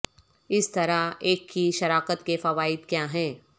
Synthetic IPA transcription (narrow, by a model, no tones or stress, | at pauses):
ɪst̪ɐɾaeːkːiʃɐɾaːqət̪kefɐʋaːɪd̪kjaːɦɛ̃ː